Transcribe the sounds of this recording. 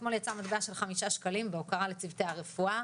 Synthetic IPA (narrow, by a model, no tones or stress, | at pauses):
tmo̞ljat͡samat̪beaʃe̞lχamiʃaʃkalimbeokaʁalet͡sivteaʁefua